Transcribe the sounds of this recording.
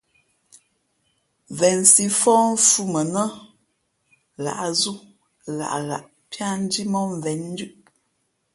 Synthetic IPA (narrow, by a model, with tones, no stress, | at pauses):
vɛ˨nsi˦fɔː˦ɱ˦fu˦mə˨nə˦ | ɣa̰˨ʔzu˦ | ɣa̰˨ʔɣa̰˨ʔ | pja˦n˦di˦mɔ˦ɱ˨vɛ˨˦n̩ː˦dʉ˦ʔ